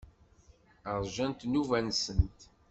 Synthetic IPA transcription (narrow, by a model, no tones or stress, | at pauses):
əɾˤʒænt̪nuvænsənt̪